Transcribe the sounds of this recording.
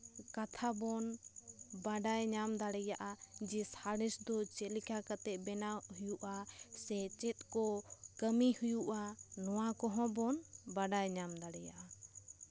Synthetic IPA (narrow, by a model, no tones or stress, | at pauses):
kat̪ʰabɔn | baɖajɲamd̪aɽɛjaʔad͡ʒɛsaɽɛsd̪ɔt͡ʃɛlikʰakat̪ɛʔbɛnahujuʔasɛt͡ʃɛt̪̚kɔkəmihujuʔanɔwakɔɦɔ̃bɔnbaɖajɲamd̪aɽɛja̰ʔa